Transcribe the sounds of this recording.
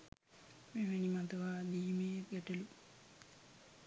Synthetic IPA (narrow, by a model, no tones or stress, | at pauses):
meʋenimat̪ɐʋad̪iːmeːɡɛʈelu